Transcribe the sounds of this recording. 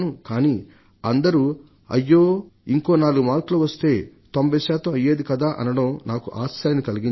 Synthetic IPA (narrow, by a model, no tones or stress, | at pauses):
nukaːniː | ɐnd̪ɐɾu | ɐ̰jːoːiŋko̞ːnaːluɡumaːɾkluːʋɐst̪e̞ːt̪ombʱɐjsɛːt̪ɐmɐjːeːd̪ikɐd̪aːʔɐ̰nɐɽɐwnaːkuʔaːsaːlɐnikɐliɡin